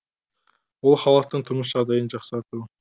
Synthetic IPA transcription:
ulˠχɑlˠɑt̪ːənt̪ʰʊɾmʊʃ̬ʒɑd̪ɑjənd͡ʒɑqsɑɾt̪u

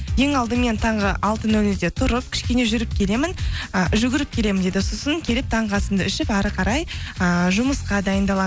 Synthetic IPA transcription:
je̞ŋɑlˠd̪əme̞nt̪ʰɑɴʁəʔɑlˠt̪ənɵlɪd̪e̞t̪ʰʊɾəp̚kʲʰɪ̥ʃkʲe̞ne̞ʒʏɾɪp̚kʲʰe̞le̞mɪnʒʏɡʲɪɾɪp̚kʲʰe̞le̞mɪnd̪e̞d̪ɪsosəŋkʲʰe̞lɪp̚t̪ʰɑɴʁɑsənd̪əʏʃɪpæɾəqʰɑɾɑjəʒʊməsqɑd̪ɑjənd̪ɑlˠɑ

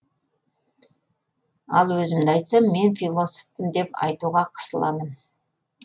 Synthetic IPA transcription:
ɑ̰lˠwɵzɪmd̪ɪɑjt̪sɑmme̞nfilˠo̞so̥fəmd̪e̞pɑ̰jt̪uʁɑqʰə̥səlˠɑ̰mən

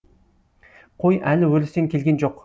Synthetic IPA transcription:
qʰojʔælɪwɵlɪst̪eŋkʲʰe̞lʲɡʲend͡ʒoq

